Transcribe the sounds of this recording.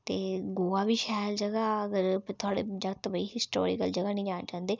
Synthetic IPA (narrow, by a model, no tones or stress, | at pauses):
t̪eːɡoːaːbiːʃɛːld͡ʒəɡaəɡəɾt̪ʰʊaːɽḛːd͡ʒət̪əbəiːɦɪsʈo̰ːɾɪ̰kəld͡ʒəɡaːnĩːd͡ʒãːnd͡ʒãːnd̪eː